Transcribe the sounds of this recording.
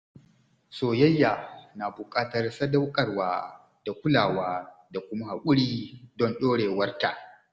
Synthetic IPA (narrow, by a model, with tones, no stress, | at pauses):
soː˨jɐ˦jːa˨na˨bʊ˨kʼaː˦tɐ˨rsɐ˦da˦wkʼɐ˨rwaː˦ | d̥a˨kʷʊ˦laː˨waː˦da˨kʷʊ˦ma˦ha˨kʷʼʊ˦ɽiː˦dɔ˦nɗoː˦ɽeː˨wɐ˦rta˨ʔ